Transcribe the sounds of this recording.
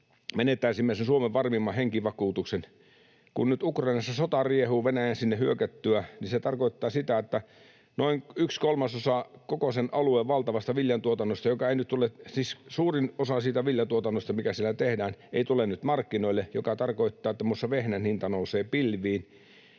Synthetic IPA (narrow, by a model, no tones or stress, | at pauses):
menet̪ːˑæisimːesensuomeʋʋɑrmimːɑheŋkiʋɑkuːt̪uksen | kunnyt̪ukrɑinɑsːɑsot̪ɑriehuːʋenæjænsinːehyøkæt̪ːyæniset̪ɑrkoit̪ːɑːsit̪æet̪ːæ | noiŋykskolmɑsosɑkokosenʔɑlueːʋʋɑlt̪ɑʋɑst̪ɑʋiljɑnt̪uot̪ɑnːost̪ɑjokɑeinyt̪t̪ulesiːssuːrinosɑsiːt̪æʋiljɑnt̪uot̪ɑnːost̪ɑmikæsielæt̪ehdæːnʔeit̪ulenyt̪mɑrkːinoilːejokɑt̪ɑrkoit̪ːɑːet̪ːæmusːɑʋehnænhint̪ɑnouseːpilʋˑiːn